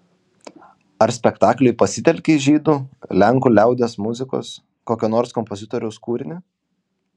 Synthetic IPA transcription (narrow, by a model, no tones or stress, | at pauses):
ɐɾsʲpʲɛkt̪ɑːklʲʊɪpɐsʲɪt̪ʲɛlʲkʲeʒʲiːd̪ulʲæŋˑkuːlʲæˑʊd̪ʲeːsmʊzʲɪko̰ːs | koːkʲoːnoːɾskɔmpozʲɪt̪oːɾʲɛʊskuːɾʲɪnʲɪ